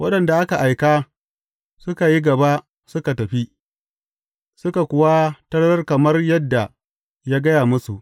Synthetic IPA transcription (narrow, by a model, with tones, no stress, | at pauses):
wɐ˦ɗɐ˨nda˨ʔa˦ka˨ʔa˨jkaː˦ | sʊ˦ka˨ji˦ɡɐ˨ba˦ʔ | sʊ˦ka˨tɐ˨ɸi˦ | sʊ˦ka˨kʷʊ˦wa˦tɐ˦ɽɐ˦ɽɐ˦rkɐ˨mɐ˦rjɐ˦dːa˨ | jaː˦ɡɐ˦jaː˨mʊ˦su˨ʔ